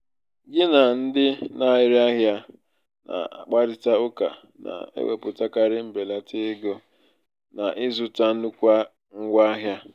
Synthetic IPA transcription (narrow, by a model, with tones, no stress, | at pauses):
ɡɪ˦na˨n̩˦dɪ˦na˦˨ɪ˦ɾa˦ɦja˦ | na̰˨a̰˨k͡pa˦ɾɪ˦ta˦ʊ˦ka̰˨ | na̰˨ḛ˦wḛ˨pʊ˨ta˦ka˦ɾɪ˦m̩˦be˨la˨tɪ˦ɡo˦ | na˨ʔɪ˦zʊ˨ta˦nu˦kʷa˦ | ŋ̩˦ɡʷa˦ɦja˦